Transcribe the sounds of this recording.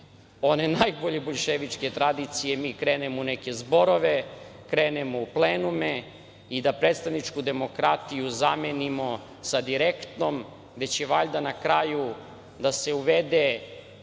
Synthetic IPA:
one̞najbo̞ʎeboʎʃeʋit͡ʂke̞t̪ɾad̪it̪sijemiːkɾeːnemouneke̞zbo̞ɾo̞ʋekɾeːnemo̞upleːnume | id̪apɾet̪st̪aʋnit͡ʂkud̪e̞mo̞kɾat̪ijuzamenimo | sad̪iɾekt̪nom | ʋe̞t͡ɕeʋaʎd̪anakɾaju | d̪ase̞uʋed̪e

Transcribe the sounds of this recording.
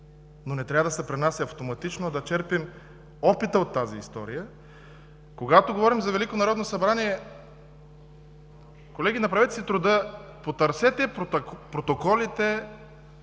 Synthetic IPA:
nonɛt̪ɾʲavəd̪ɐsɛpɾɛnasɐft̪omɐt̪it͡ʃnoɐd̪ɐt͡ʃɛɾpim | ɔpit̪əot̪ːaziːst̪ɔ̰ɾḭjə | koɡat̪oɡovɔɾimzɐvɛlikonɐɾɔd̪nosɐbɾaniɛ | kolɛɡ̟inɐpɾɐvɛt̪ɛsit̪ɾʊd̪ɤpot̪ɐɾsɛt̪ɛppɾot̪okɔlit̪ɛ

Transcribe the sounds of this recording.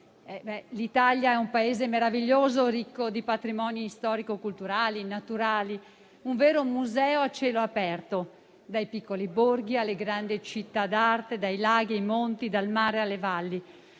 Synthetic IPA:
ɛbɛlit̪aljaɛumpaeːzemeɾaviʎːoːzoɾikːod̪ipat̪ɾimɔːnist̪ɔːɾikokult̪uɾaːlinat̪uɾaːli | uɱvɛːɾomuzɛːoat͡ʃːɛːloapɛrt̪o | d̪ajpikːoliborɡialːeɡɾand̪it͡ʃit̪ːad̪art̪ed̪ajlaːɡiajmont̪id̪almaːɾealːevalːi

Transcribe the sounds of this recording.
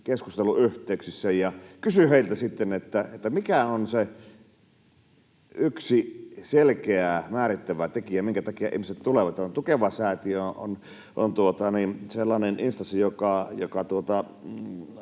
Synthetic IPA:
keskust̪eluyht̪ˑeˑyksisːæjjɑkysyheˑilt̪æsit̪ːenet̪ːæet̪ːæmikæonse | yksiselkeæmæːɾit̪ːæʋæt̪ekiæmiŋkæt̪ɑkiɑḭhmiset̪t̪uleʋɑt̪ont̪ukeʋɑsæːt̪ioo̰n | ʔo̰nt̪uot̪ɑninselːɑneninst̪ɑsijokɑjokɑt̪uot̪ɑ

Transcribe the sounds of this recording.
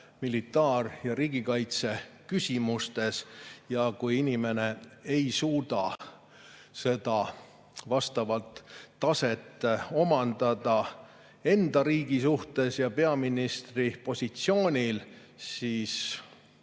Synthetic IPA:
milit̪ːˑɑːrjɑɾiːɡ̥ikɑjt̪se̞kysʲimust̪e̞sjɑkujinʲime̞ne̞ejsuːd̪ɑ | se̞d̪̥ɑ | vɑst̪ɑvɑlt̪ːɑse̞t̪ːˑo̞mɑnd̪̥ɑd̪ɑ | e̞nd̪̥ɑɾiːɡ̥isuht̪e̞sjɑpe̞ɑminist̪ripo̞sʲit̪sio̞ːnʲil | siːs

